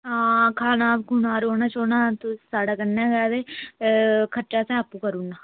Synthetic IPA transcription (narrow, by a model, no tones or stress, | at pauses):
ãːkʰaːnaːbɡʊnãːɾoːnaːt͡ʃoːnãːt̪ʊsaːɽaːkənːãːɡaːd̪eː | kʰəʈːt͡ʃaːsɛ̃ːəpːuːkəɾuːnaː